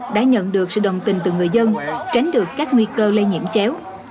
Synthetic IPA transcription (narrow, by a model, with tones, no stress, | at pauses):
ɗa̰ː˧˥ɲə̰˧˨nɗɨ˨˩ək̚sɨ̰˧˨zə˨˩wŋ͡mt̪ï˨˩ŋ̟t̪ɨ˨˩ŋɨ˨˩əjzə˧nt͡ɕa˨˦jŋ̟ɗɨ˨˩əkkaː˦˥k̚ŋwi˧kəː˧le˧ɲḭ˧˩əmt͡ɕɛ˨˦w